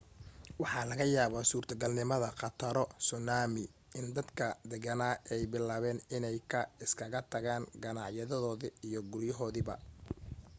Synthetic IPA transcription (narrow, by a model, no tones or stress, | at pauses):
wɑħɑlɐɣɐjaːβasuːrt̪ʰɐɡɐlnɪmɐðɐqɑt̪ʰɐɾɔsʊnaːmɪ | ʔɪnd̪ɐd̪kʰɐd̪ɛɣɐnaːʔɛjbɪlaːβɛːnɪnɛjkʰɐɪskʰɐɣɐt̪ʰɐɣaːnɡɐnɑʕjɐðɐðɔːðɪijɔɡʊrjɐɦɔːðɪbɐ̰